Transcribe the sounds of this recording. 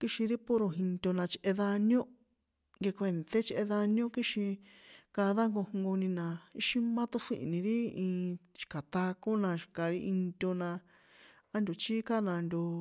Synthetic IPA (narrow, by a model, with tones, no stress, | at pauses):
ki˦ʃĩ˧ɾi˦po˦ɾo˧ɦi˧nt̪ʲo˧nã˧t͡ʃʔe˧ða˧njõ˦ | ŋɡe˧kʷe˧˨nt̪e˦t͡ʃʔe˧ða˧njõ˦ki˦ʃĩ˧ka˧ða˦ŋɡo˧hŋɡo˧nĩ˧nã˨i˦ʃi˦mã˦t̪o˦ʂḭ˦˧˨nĩ˧ɾi˦ĩː˧t͡ʃi̥˨ka˨t̪a˧ko˦nã˧ʃi̥˨ka˨ɾi˦ʔi˧nt̪ʲo˧nã˧ | a˦nd̪o˨t͡ʃi˦ka˦nã˧nd̪ʲo˧